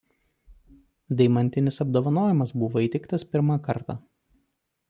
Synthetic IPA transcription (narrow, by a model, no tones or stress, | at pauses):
d̪ɐɪmɐnʲt̪ʲɪnʲɪsɐbd̪oːʋɐnoːjɪmɐsbʊʋoːiːt̪ʲɛɪkt̪ɐspʲɪɾmɑkɐɾt̪ɑ̰